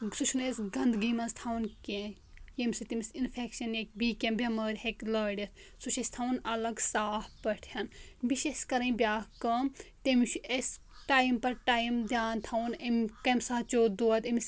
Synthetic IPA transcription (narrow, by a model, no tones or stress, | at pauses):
sut͡ʃʰunesʲɡɐnd̪ɡiːmɐnst̪ʰaːwnkẽ | jemʲsɨt̪imʲsinfʰekʃɐnek̚biːkʲẽmbʲɐmɐːɾʲheklɐːɽɐt̪ | suʃesʲt̪ʰaːwnɐlɐɡsaːhpɐʈʰjɐnbiʃeʃkɐɾɐnbʲaːkɐmt̪emʲt͡ʃʰuesʲ | ʈaːjmpɐɾʈaːjmd̪jaːnt̪ʰawnemʲkɐmsaːt͡ʃoːd̪oːt̪ɐms